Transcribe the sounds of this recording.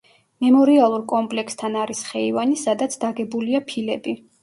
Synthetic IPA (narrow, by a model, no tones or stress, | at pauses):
mɛmɔɾialˠuɾkʼɔmpʼlɛkst̪ʰanaɾisχɛivanisad̪at̪sʰd̪̥aɡɛbuliapʰilɛbi